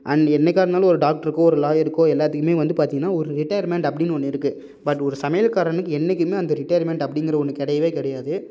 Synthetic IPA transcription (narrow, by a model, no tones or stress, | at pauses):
ʔɐnɛnːɛk̬ʲːaːɾɐnaːlɐɔɾɯɖaːk̚ʈɐɾɯkːõːɔɾɯlaːjɐɾɯkːõːɛlːaːt̪ːɯkːɯmeːʋɐnd̪ɯpaːɾt̪iŋɡɐnːaːɔɾɯɾɪʈɐjɐɾmɛɳʈɐpːɐɽɪnːɯɔnːɪɾɯkːɯ | bɐʈːɔɾɯsɐmɐjɐlkaːɾɐnɯkːɯɛnːɛkːɯmeːɐnd̪ɐɾɪʈːɐjɐɾmɛɳʈɐpːɐɽɪŋɡɪɾɐɔnːɯkːɛɽɐjɐʋeːkɪɽɐjaːðɯ